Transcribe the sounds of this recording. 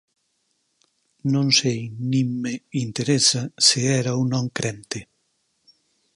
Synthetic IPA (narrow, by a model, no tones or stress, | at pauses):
nõnsejnĩmmeint̪eɾesɐseɛɾɐunɔ̃ŋkɾɛnt̪ɪ